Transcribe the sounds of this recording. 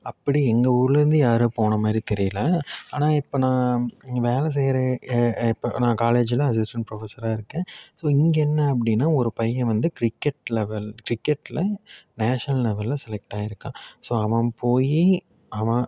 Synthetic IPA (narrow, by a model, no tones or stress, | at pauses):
ɐpːɐɽiɛŋɡɐuɾlɯɾɯnd̪ɯjaːɾɯːpoːɳɐmaːd̪ɾit̪ɛɾɪjɐlɐaːnaːɪpːoːnãːʋeːlɐs̬ɛjɾɐɪpːo̰nãːkaːleːd͡ʒɪlɐɐs̬ɪsʈɐɳpɾɔfɐsɐɾaːɪɾɯkːẽːsoːɪŋɡɛnːɐɐpːɐɽɪnːaːɔɾɯpɐjːɐ̃ʋɐnd̪ɯkɾɪkːɛʈlɛʋɛlkɾɪkːɛʈːɪlɐnaːʂɐnɐllɛʋɐlɪlɐsɛlɛk̚ʈaːjɪɾɯkːãːsoːɐʋɐ̃poːji | ɐʋɐ̃